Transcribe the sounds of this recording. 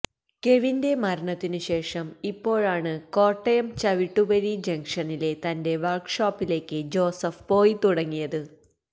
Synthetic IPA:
ke̞ʋinde̞mɐɾɐɳɐt̪ːinɨɕe̞ːʂɐmipːo̞ːɻaːɳɨko̞ːʈːɐjɐmt͡ɕɐʋiʈːuʋɐɻid͡ʑɐŋkʂɐnile̞t̪ɐnde̞ʋɐrkʂaːpːile̞ːkːɨd͡ʑo̞ːsɐfpo̞ːjit̪uɽɐŋːijɐðɨ

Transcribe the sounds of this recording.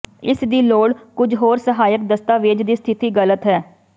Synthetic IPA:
ɪsd̪iːloːɽkʊd͡ʒɦoːɾsəɦaːjək̚d̪əst̪aːʋɪd͡ʒd̪iːst̪ʰɪt̪iːɡələt̪ɦɛː

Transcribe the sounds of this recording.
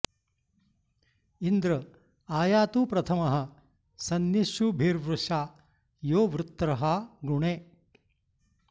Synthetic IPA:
ind̪ɾɐ | aːjaːt̪upɾɐt̪ʰɐmɐɦɐ̆ | sɐnjiʃubʱiːɾʋɾuʂaː | joːʋɾɪt̪ːɾɐɦɐɡuɳeː

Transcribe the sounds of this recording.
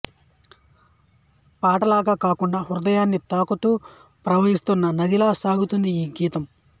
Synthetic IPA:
paːʈɐlaːɡaːkaːkuɳɖaːɦuɾud̪ɐjaːnːit̪aːkut̪uː | pɾɐʋɐɦist̪unːɐnɐd̪ilaːsaːɡut̪und̪iiːɡiːt̪ɐm

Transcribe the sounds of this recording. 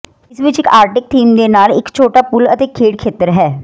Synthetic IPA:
ɪsʋɪt͡ʃɪkaːɾʈɪk̚t̪ʰiːmd̪enaːlɪkt͡ʃʰoːʈapʊlə̰t̪ekʰːeːɽkʰeːt̪əɾɦɛː

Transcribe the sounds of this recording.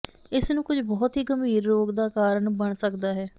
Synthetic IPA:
ɪsnũːkʊd͡ʒbɔːt̪ɦiːɡəmʱiːɾːoːkd̪aːkaːɾəɳbəɳsəkd̪aːɦɛː

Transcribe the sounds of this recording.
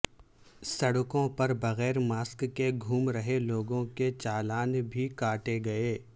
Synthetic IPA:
sɐɽʊkõpɐɾbɐɣɛːɾmaːskːeɡʱuːmɾɐɦeloːɡõket͡ʃaːlaːnbʱikaːʈeɡɐeː

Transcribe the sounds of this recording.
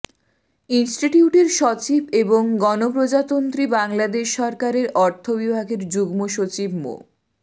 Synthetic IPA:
insʈiʈiuʈeɾʃɔt͡ɕibeboŋɡɔnopɾod͡ʑat̪ont̪ɾibaŋlad̪eʃːɔɾkaɾeɾɔɾt̪ʰobibʱaɡʱeɾd͡ʑuɡmoʃot͡ɕibmo̰

